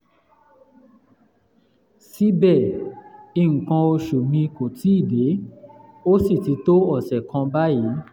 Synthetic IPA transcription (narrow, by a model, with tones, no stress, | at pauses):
si˦bɛ˦˨ | i˧˨ŋ̩˨kã˧o˧ʃu˨mĩ˧ko˨tʰi˨˦i˦˨de˨˦ | o˦si˦˨ti˨˦to˦ɔ˦˨sɛ˨kã˧ba˦ji˨˦